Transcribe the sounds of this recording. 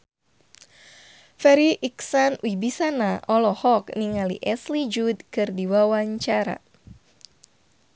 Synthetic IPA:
fɛɾiʔiksanwibisanaɔlɔhɔkniŋalḭʔɛslid͡ʒudkɨrdiwawaɲt͡ʃaɾa̰

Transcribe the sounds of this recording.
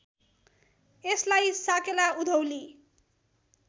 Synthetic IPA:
eslajsakelaud̪ʱʌwli

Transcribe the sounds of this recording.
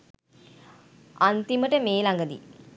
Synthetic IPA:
ant̪iməʈəmeːlaŋɡəd̪ḭ

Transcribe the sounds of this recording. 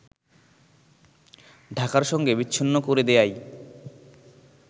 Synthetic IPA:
ɖʱakaɾʃɔŋɡebitːɕʰinːokoɾed̪eaj

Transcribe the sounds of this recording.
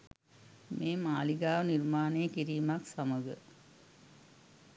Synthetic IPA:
meːmaːliɡaːʋəniɾmaːnejəkiɾiːmaksaməɡə̰

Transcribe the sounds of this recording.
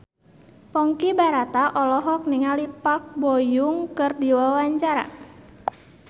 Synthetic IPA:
pɔŋkibaɾat̪aʔɔlɔɦɔk̚niŋalipak̚bɔjuŋkɨrdiwawaɲt͡ʃaɾa̰

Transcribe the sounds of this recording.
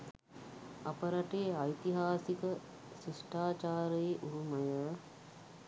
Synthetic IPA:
apəɾɐʈeːajt̪iɦaːsikə | siʂʈaːt͡ʃaːɾəeʔuɾumɐjə

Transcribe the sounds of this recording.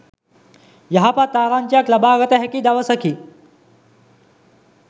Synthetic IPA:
jɐɦapat̪aːɾaːnt͡ʃjaklɐbaːɣɐt̪eɦɐkid̪ɐʋɐsɐkʰi

